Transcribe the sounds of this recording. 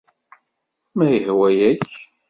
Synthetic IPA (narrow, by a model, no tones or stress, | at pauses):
mæjəhwæjæç